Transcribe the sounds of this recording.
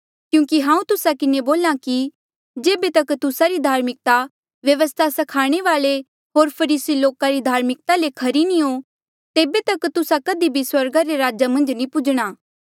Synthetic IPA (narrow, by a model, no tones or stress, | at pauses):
kjũːkiɦãːũt̪ʊsakɪneboːlaki | d͡ʒeːbet̪ɐkt̪ʊsaɾid̪ʱaːɾmɪk̚t̪a | ʋjɐʋəst̪ʰasɐkʰaːɽ̃eʋaːle | ɦoːɾpʰɐɾiːsiloːkaɾid̪ʱaːɾmɪk̚t̪alekʰɐɾinĩɦo | t̪eːbet̪ɐkt̪ʊsakɐd̪ibʱiswɐɾɡaɾeɾaːd͡ʒamɐ̃nd͡ʒnĩpʊd͡ʒɽ̃aː